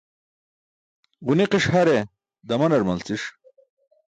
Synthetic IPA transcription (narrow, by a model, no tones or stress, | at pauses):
ʁuniqiʂhɐɾe | d̪ɐmɐnɐɾmɐlt͡siʂ